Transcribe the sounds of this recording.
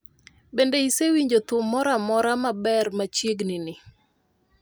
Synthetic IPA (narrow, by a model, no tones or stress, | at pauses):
bendeisewiɲd͡ʒot̪ʊmːɔɾamɔɾamabɛrmat͡ʃjeɡnɪnɪ